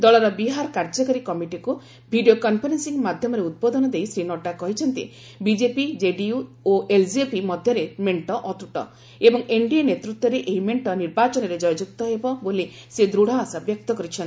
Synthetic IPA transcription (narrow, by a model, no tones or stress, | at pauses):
d̪ɔɭɔɾɔbiɦaɾɔkaɾd͡ʒɔkaɾikɔmiʈiku | bʱiɖijokɔmpʰɔɾensiŋmad̪ʱjɔmɔɾeut̪̚bod̪ɔnɔd̪ejsɾinoʈakɔɦit͡ʃʰɔnt̪ḭ | bid͡ʒepid͡ʒeɖiu | oeld͡ʒiepimɔd̪ʱjɔɾemeɳʈɔʔɔt̪uʈɔ̰ | ebɔŋeɳɖiɔnet̪ɾut̪wɔɾeʔeɦimeɳʈɔniɾbat͡ʃɔnɔɾed͡ʒɔjd͡ʒuk̚t̪ɔɦebɔboli | sed̪ɾuɽ̤aːsabjɔk̚t̪ɔkɔɾit͡ʃʰɔnt̪i